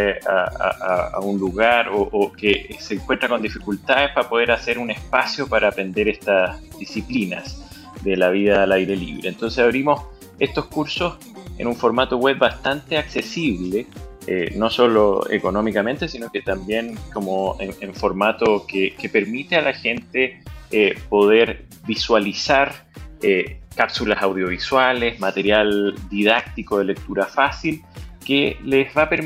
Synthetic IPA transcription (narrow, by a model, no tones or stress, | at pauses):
a̰a̰aa̰unluɣaɾoʔokeseːŋkwe̞nt̪ɾakond̪ifikult̪aðehpapo̞ð̞eɾase̞ɾune̞spasjopaɾʔaːpɾe̞nd̪eɾest̪asðisiplina̰s | d̪elaβiðaːlajɾelḭβɾeːnt̪o̞nsesaβɾimo̞s | est̪o̞skuɾsos | ḛnuɱfo̞ɾmat̪oɣweβbast̪ant̪eaksesiβleḛno̞so̞loḛko̞nomikame̞nt̪esinoket̪ambje̞nkomoeeɱfoɾmat̪okekepeɾmit̪ealaxe̞nt̪eepo̞ð̞eɾ | viswalisaɾ | ekapsulasawðjo̞βiswalezmat̪eɾjald̪iðak̚t̪ikoðelek̚t̪uɾafasilkelezβapeɾ